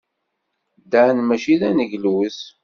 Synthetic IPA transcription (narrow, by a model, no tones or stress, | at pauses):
d̪æʕnmæʃiðænəʝlus